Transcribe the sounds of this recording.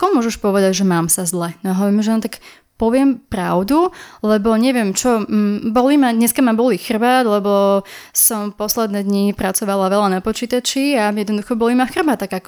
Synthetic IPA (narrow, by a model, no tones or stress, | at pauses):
kɔmʊɔʒɛʃpɔʋɛd̪aɟʒɛmaːmsazlɛnɔaɦɔʋɔɾimʒɛɔnɔt̪ak | pɔʋɪɛmpɾaʊd̪ulɛbɔɲɛʋɪɛmt͡ʃɔbɔlimad̪ɲɛskamabɔlixr̩ʋaːd̪lɛbɔsɔmpɔslɛd̪nɛːd̪ɲipɾat͡sɔʋalaʋɛlanapɔt͡ʃiːt̪at͡ʃiajɛd̪nɔd̪uxɔbɔlimaxr̩bat̪aɡakɔ